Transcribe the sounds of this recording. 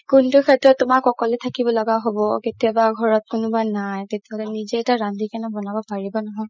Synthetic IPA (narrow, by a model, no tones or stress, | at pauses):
kʊntʊxʰɛtɹɔtːʊmakɔkɔlɛtʰakibɔlɔɡaɦobɔketiabaɡʱɔɹɔt̚kʊnʊbanajtetiaɦɔlɛnizeɛtaɹandʱikanɔbɔnabɔpaɹibɔnɔɦɔj